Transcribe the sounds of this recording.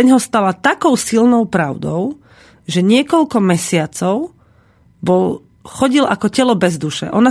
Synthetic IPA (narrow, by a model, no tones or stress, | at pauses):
ɛɲɦɔst̪alat̪akɔʊsilnɔʊpɾaʊd̪ɔʊ | ʒɛɲɪɛkɔʎkɔmɛsɪat͡sɔʊ | bɔl | xɔɟilʔakɔcɛlɔbɛzd̪uʃɛ̰ʔɔna